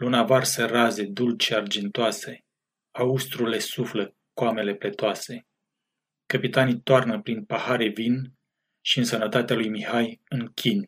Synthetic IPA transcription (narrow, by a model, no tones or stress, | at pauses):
lunavarsəraze̞d̪ult͡ʃeard͡ʒint̪oase̞ | aust̪ɾule̞suflə | koame̞le̞ple̞t̪oase̞ | kəpit̪anijt̪oarnəpɾinpahaɾe̞vin | ʃiɨnsənət̪at̪ealujmihajɨŋkʲinʲ